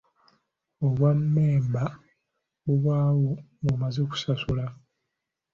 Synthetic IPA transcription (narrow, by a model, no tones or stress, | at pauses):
oβwamːeːmba | βuβwaːwoŋɡomazeku̥sasula